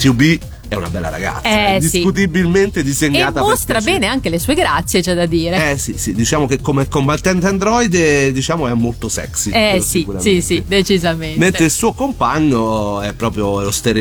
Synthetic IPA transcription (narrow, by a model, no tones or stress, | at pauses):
t̪jubi | ɛuna̰bɛlːa̰ɾa̰ɡa̰t̪sːɛd̪isikut̪̬ibilment̪ed̪izeɲːaːt̪amost̪ɾabɛːneaŋkelesuːeɡɾat̪sːjet͡ʃɛd̪ad̪iːɾeɛsisid̪it͡ʃaːmok̟ekːomeɛkːombat̪ant̪and̪ɾɔjd̪d̪it͡ʃaːmoɛmːolt̪osɛ̰ksiɛssiuɾasisid̪et͡ʃizamenment̪ɾeilsuːokompaɲːoɛpːɾɔːpɾjoɛost̪eɾ